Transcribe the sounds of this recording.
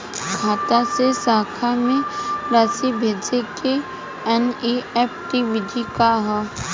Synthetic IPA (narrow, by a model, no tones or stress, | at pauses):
ɡʰʱaːt̪asesaːkʰamẽɾaːsibʱeːd͡ʒeke | ɛniɛːpʰʈiʋɪd̪ʱikaɦɛː